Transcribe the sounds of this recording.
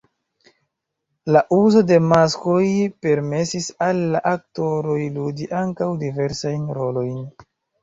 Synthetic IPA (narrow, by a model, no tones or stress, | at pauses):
laʔuzo̞de̞maskojpe̞ɾme̞sisalːaʔak̚to̞ɾo̞jludiʔaŋkawdive̞ɾsajnɾo̞lo̞jn